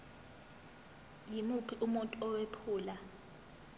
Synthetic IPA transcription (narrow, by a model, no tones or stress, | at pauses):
jimupʰiʔumuntʼɔɔwepʰuːla